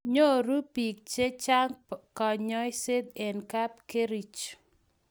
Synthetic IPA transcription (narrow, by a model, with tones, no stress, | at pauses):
ɲo˦˨ɾu˦pi˨k̚t͡ʃe˦t͡ʃa˦ŋkɔ˨ɲɔ˦ɪ˦se˦d̪e˨nka˦p̚ke˦ɾi˨t͡ʃ